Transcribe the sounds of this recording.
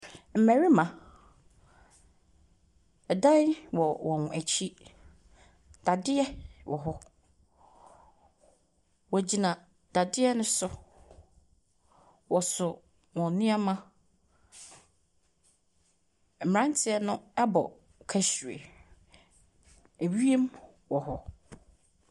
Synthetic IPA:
m̩˨mæ̃˨ɾi˦mã˨ | dã˦wɔ˨wɔ̃˨n˨æ˨t͡ɕʰi˦ | d̥a˨dɪ˦ɛ˦wʔɔ˨ɦɔ˦ | wɔ˨d͡ʑi˨nã˨ | d̥a˨dɪ˦ɛ˦nʊ̃˦sʊ˦ | wɔ˨sʊ˨ | wɔ̃˨nɪ̃˦a˦mã˦ | m̩˨m˨ɾã˦n˦tʰɪ˨ɛ˦nʊ̃˦ɛ˦bɔ̰˨ | kʰæ˦ɕu˨ḛ˨ | e˨wi˦e˦m | wɔ˨ɦɔ˦

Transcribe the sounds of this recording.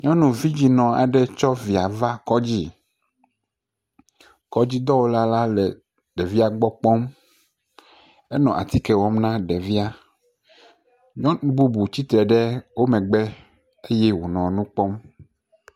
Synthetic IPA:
ɲɔ̃˦nũ˨vi˦d͡ʑi˨nɔ̃˨a̰˨ɖɛ˦t͡ʃɔ˦vi˨a˨va˦kɔ˦d͡ʑi˦˨ | kɔ˦d͡ʑi˦d̪ɔ˦wo˦la˦la˦lɛ˨ | ɖɛ˨vi˦a˨ɡ͡bɔ˦k͡pɔ˦m | e˦nɔ̃˨ʔa̰˨t̪i˦kɛ˨wɔ˦mnã˦ɖɛ˨vi˦a˦ | ɲɔ̃˦nũ˨bu˦bu˨t͡ɕi˦t̪ɾɛ˨ɖɛ˦wo˦mɛ̃˨ɡ͡bɛ˦ | e˦jɛ˦wo˨nɔ̃˨nũ˦k͡pɔ˦m

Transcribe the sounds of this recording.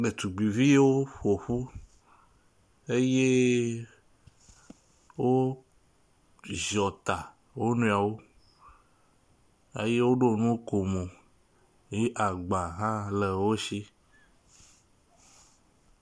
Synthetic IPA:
ɖe˨t̪u˨ɡ͡bi˨vi˦je˦wo˦ɸo˨ɸu˦ | e˦je˦ | wo˦ | ʒɔ˨t̪a˨ | wo˦nũ˦˨a˨wo˦ | ḛ˦je˦wo˦ɖo˦˨nũ˦o˦ko˨mõ˨ | ji˦ʔa˨ɡ͡ba˨ɦã˦le˨wo˦ʃi˦

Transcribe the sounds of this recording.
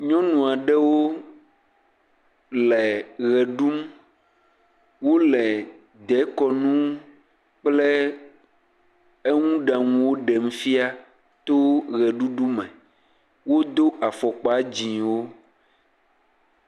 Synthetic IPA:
ɲɔ̃˦nũ˨a˨ɖɛ˦wo˦ | lɛ˨ɣɛ˨ɖu˦m | wo˦lɛ˨ | d̪ɛ˨˦kɔ˨nũ˦ | k͡plɛ˦ | e˦ŋũ˦ɖa˨ŋũ˦wo˦ɖɛ˨m̩˦fi˦a˦ | t̪o˦ɣɛ˨ɖu˦ɖu˦mɛ̃˨ | wo˦d̪o˦ʔa˨fɔ˨k͡pa˦d͡ʑĩ˨wo˦

